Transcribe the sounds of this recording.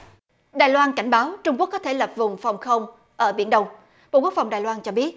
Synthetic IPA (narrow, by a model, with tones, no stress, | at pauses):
ɗaː˨˩jlwaː˧nka˧˩jŋ̟ɓaː˨˦wt͡ɕʊ˧ŋ͡mku˦˥əkːɔ˨˦t̪ʰe˧˩lə˨˩p̚vʊ˨˩ŋ͡mfa˨˩wŋ͡mxə˧wŋ͡m | ʔəː˧˩ɓḭ˧˩ənɗə˧wŋ͡m | ɓo̰˧˨ku˦˥ək̚fa˨˩wŋ͡mɗaː˨˩jlwaː˧nt͡ɕɔ˧ɓi˦˥ət̚